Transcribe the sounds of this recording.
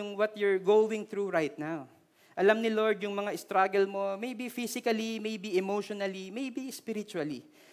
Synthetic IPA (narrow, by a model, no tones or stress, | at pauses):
ʊŋwɐt̪jʊɹɡowɪ̃ŋθɾuɹajt̪̚naw | ʔɐlamnɪloɹd̪jʊŋmɐŋaʔɪst̪ɾaɡɛlmo̞mejbifisɪkɐlimejbiɛmoʃonɐlimejbispɪɾɪt͡ʃuɐli